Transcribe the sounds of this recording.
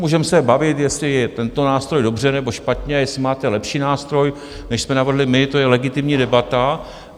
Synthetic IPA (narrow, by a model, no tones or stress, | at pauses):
muːʒɛmsɛbavɪt̪jɛslɪjɛt̪ɛnt̪o̞naːst̪ɾo̞jdo̞br̝ɛnɛbo̞ʃpat̪ɲɛjɛslɪmaːt̪ɛlɛpʃiːnaːst̪ɾo̞j | nɛʃsmɛnav̩ɦlɪmɪt̪o̞jɛlɛɡɪt̪ɪmɲiːdɛbat̪a